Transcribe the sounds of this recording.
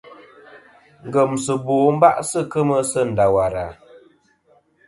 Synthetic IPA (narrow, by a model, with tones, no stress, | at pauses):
ŋ̩˨ɡə˨msə˨boː˨˦m̩˦ba̰˦ʔsə˦˨kə˦mə˦sə˦˨n̩˨da˨wa˨ɾa˨